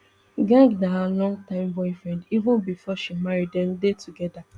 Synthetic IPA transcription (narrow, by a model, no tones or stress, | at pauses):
ɡãŋɡnaɦalɔ̃ŋtãɪ̃mbɔɪfɹɛ̃ndivʊ̃nbifɔʃimaɹidɛ̃mdetuɡɛda